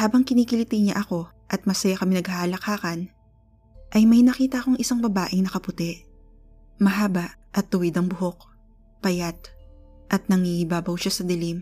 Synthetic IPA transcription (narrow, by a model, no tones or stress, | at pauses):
haːbɐŋkɪniːkɪlɪt̪ɪɲa̰ʔɐko̞ | ʔɐt̪̚mɐsɐjakɐmɛnɐɡ̚halɐkaːkɐn | ʔɐjmɐjnɐkiːt̪ɐʔko̞ŋʔɪsaŋbɐbaːʔɪŋnɐkɐpʊt̪ɛʔ | mɐɦaːbɐʔʔɐt̪ːʊwɪd̪ɐŋbʊho̞k̚ | pɐjat̪̚ | ʔɐt̪̚nɐŋhiɪbaːbɐwʃasɐd̪ɪlim